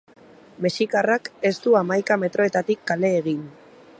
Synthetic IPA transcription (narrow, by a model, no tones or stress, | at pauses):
me̞sikarake̞st̪uamajkame̞t̪ɾo̞e̞t̪at̪ikːale̞ːɣ̞in